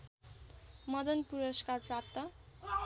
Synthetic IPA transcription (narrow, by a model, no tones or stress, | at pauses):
mʌd̪ʌnpuɾʌskarprap̚t̪ʌ